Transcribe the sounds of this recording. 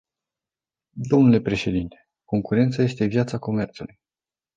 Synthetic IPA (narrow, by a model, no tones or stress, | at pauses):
d̪o̞mnule̞pɾe̞ʃe̞d̪int̪e̞̥ | ko̞ŋkuɾe̞nt̪saje̞st̪e̞vjat̪sako̞me̞rt̪suluj